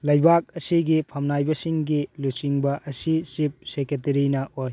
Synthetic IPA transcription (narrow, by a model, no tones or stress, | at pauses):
lɐjbak̚ɐsiɡipʰɐmnajbɐsiŋɡilusiŋbɐʔɐsisip̚seket̬eɾinɐoj